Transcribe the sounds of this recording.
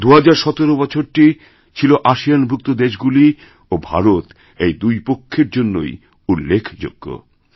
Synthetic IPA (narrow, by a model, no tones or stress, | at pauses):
d̪uɦad͡ʑaɾʃɔt̪oɾobɔt͡ɕʰoɾʈi | t͡ɕʰiloʔaʃijanbʱuk̚t̪od̪eʃɡuli | obʱa̰ɾot̪ | ejd̪ujpokʰːeɾd͡ʑonːo̰j | ulːekʰd͡ʑo̰ɡ̥ːo̰